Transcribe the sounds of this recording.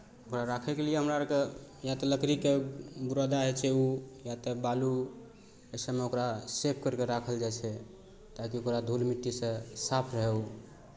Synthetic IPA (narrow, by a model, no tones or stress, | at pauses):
okɾaɾakʰɛkelijeɦəmɾakejat̪ɔləkɾikebuɾad̪aɦɛt͡ʃʰɛujat̪ɔbalu | əsəmeokɾasep̚ʰkəɾkeɾakʰəld͡ʒajt͡ʃʰɛ | t̪akiokɾad̪ʱolmiʈːisə̃sapʰɾəɦeu